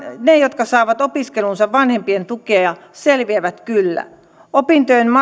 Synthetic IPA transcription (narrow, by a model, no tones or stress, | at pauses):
nejot̪kɑsɑːʋɑt̪opiskelunsɑʋʋɑnhempient̪ukeɑjɑselʋieʋæt̪kylːæ̰ | opint̪øenmɑ